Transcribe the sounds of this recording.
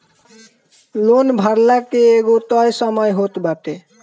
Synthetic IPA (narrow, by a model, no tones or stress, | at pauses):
lonbʱʌɾlakeːɡot̪ʌjsʌmʌjɦot̪bat̪e